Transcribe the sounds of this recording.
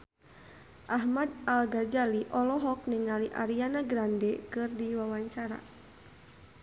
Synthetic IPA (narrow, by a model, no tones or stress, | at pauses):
ʔaɦmadalɡard͡ʒaliʔɔlɔɦɔk̚niŋaliʔa̰ɾianaɡɾandɛkɨrdiwawaɲt͡ʃaɾa̰